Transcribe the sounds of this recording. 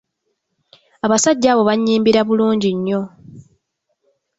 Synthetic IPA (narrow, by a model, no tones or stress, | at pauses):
aβasaɟːaːβo̞βaɲːiːmbiɾaβuluːɲɟiɲːo̞